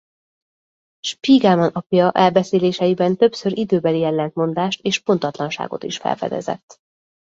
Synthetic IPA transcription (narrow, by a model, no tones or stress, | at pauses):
ʃpiːɡamonɒpjɒʔɛlbɛseːleːʃɛjibɛnt̪ø̞psøɾʔid̪øːbɛlijɛlːɛnt̪mo̞nd̪aːʃt̪eːʃpo̞nt̪ɒt̪lɒnʃa̰ːɡo̞̰t̪iʃfɛ̰lfɛ̰d̪ɛ̰zɛ̰t̪ː